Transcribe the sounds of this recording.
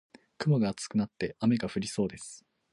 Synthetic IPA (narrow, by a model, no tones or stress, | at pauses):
kɯ̟moɡaːt͡sɨ̥kɯ̟nat̪ːe̞ame̞ɡaɸɯ̟ɾʲiso̞ːd̪e̞sɨ̥